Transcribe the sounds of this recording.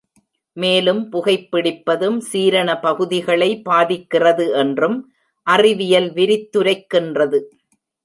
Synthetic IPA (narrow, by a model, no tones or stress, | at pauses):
meːlɯmpʊɣɐɪpːɪɽɪpːɐðɯmsiːɾɐɳɐpɐɣɯðɪɣɐɭɐɪpːaːðɪkːɪrɐðɯʔɛndrɯm | ʔɐrɪʋɪjɐlʋɪɾɪt̪ːɯɾɐɪkːɪndrɐðɯ